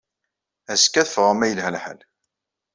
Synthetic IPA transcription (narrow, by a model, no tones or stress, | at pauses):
æskːæθəfʁamæjəlɦælħa̰l